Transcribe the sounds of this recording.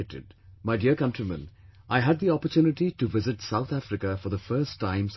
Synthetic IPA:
ʈɪ̰ɖmaɪɖiəɾkʌ̃ntɾimə̰̃nʔaɪɦæd̪̚d̪iɔpəɾtjuːnɪʈiʈuʋɪzɪʈsaʊt̪ʰæfɾɪkəfɔɾðəfəɾsʈʰːãɪ̃ms

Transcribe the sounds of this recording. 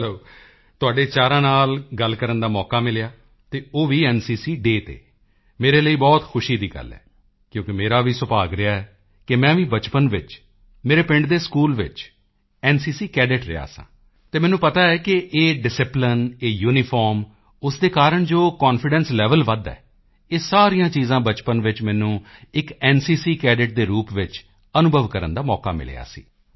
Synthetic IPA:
loː | t̪ʊaːɖeːt͡ʃaːɾãːnaːlɡəlkəɾənd̪aːmɔːkaːmɪlɪjaː | t̪eːoːʋiːɛːnsiːsiːɖeːt̪ḛː | meːɾeːləiːbɔːt̪xʰʊʃiːd̪iːɡə̰lɛ̰ː | kjõːkɪmeːɾaːʋiːsʊpaːɡɾɪjaːɛː | kɪmɛ̃ːʋĩːbət͡ʃpənʋɪt͡ʃ | meːɾeːpɪ̃ɳɖd̪eːskuːlʋɪ̰t͡ʃ | ɛːnsiːsiːkɛːɖɪʈɾɪ̰ja̰ːsã̰ː | t̪eːmɛːnũːpət̪aːɛːkɪʔeːɖɪsɪplɪneːjuːnipʰɔːɾm | ʊsd̪eːkaːɾəɳd͡ʒoːkɔːnfʰɪɖɛ̃ːnslɛːʋəlʋəd̪ɛ̰ː | eːsaːɾijãːt͡ʃiːzãːbət͡ʃpənʋɪt͡ʃmɛ̃ːnũːɪkɛːnsiːsiːkɛːɖɪʈ̚d̪eːɾuːpʋɪt͡ʃ | ənʊbʱəʋkəɾə̰nd̪aːmɔːka̰ːmɪ̰lḛːa̰ːsḭː

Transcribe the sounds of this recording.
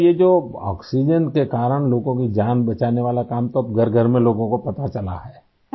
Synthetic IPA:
jed͡ʒoːɔ̰ːksid͡ʒənkekaːɾəɽ̃loːɡõkid͡ʒaːnbɐt͡ʃaːneʋaːlakaːmt̪oɐb̚ɡʱɐɾɡʱɐɾmẽloːɡõkopɐt̪at͡ʃɐla̰ɦɛː

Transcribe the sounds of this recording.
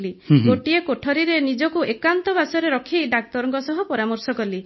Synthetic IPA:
liɡoʈiekoʈʰɔɾiɾenid͡ʒɔkuekant̪ɔbasɔɾeɾɔkʰiɖak̚t̪ɔɾɔŋkɔsɔɦupɔɾamɔɾsɔkɔli

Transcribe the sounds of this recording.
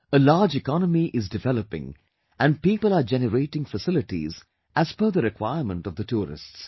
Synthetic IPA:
əlaːd͡ʒɪkɑnəmiʔɪzdɪvɛləpɪ̰̃ŋ | ʔæ̃nɖ̚piːpəlad͡ʒɛnəɾeːʈɪ̃ŋfəsɪlɪʈḭz | ʔæz̥fəɾðəɾɪkʰwaɪəmə̃nʈɔvd̪əʈʰuːɾɪ̰sts

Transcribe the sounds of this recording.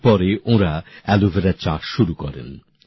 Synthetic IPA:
pɔɾeʔõɾaɛluvʱeɾaɾt͡ɕaʃʃuɾukɔɾḛn

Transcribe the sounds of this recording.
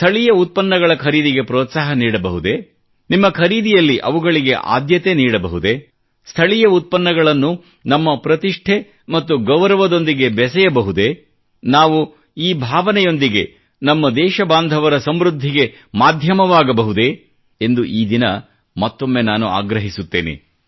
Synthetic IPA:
st̪ʰɐɭijɐut̪̚pɐnːɐɡɐɭɐkʰɐɾiːd̪iɡe̞pɾoːt̪saːɦɐniːɽɐbɐɦud̪e̞ | nimːɐkʰɐɾiːd̪ijɐlːiʔɐ̰ʋuɡɐɭiɡe̞̰ʔa̰ːd̪jɐt̪e̞niːɽɐbɐɦud̪e̞ | st̪ʰɐɭijɐut̪̚pɐnːɐɡɐɭɐnːu | nɐmːɐpɾɐt̪iʂʈʰe̞ | mɐt̪ːuɡɐʋɾɐʋɐd̪o̞nd̪iɡe̞bɛsɛjɐbɐɦud̪e̞ | naːʋu | iːbʱaːʋɐnɛjo̞nd̪iɡe̞ | nɐmːɐd̪ɛːʃɐbaːnd̪ʱɐʋɐɾɐsɐmɾud̪ʱːiɡe̞ | maːd̪ʱjɐmɐʋaːɡɐbɐɦud̪e̞ | end̪uʔiːd̪inɐ | mɐt̪ːo̞mːenaːnua̰ːɡɾɐɦisut̪ːeːnḛ

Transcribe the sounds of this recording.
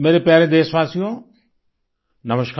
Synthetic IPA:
meːɾepjaːɾẽd̪eːsʋaːsijõ | nɐməʃk

